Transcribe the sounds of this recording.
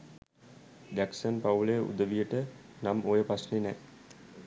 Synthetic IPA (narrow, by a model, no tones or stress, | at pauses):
d̪æksənpawləjəʔṵd̪əʋijəʈə | namojəpasnenɛ